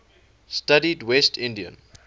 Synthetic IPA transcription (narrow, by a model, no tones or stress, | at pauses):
stadidwɛstʰɪ̃ndiə̰̃n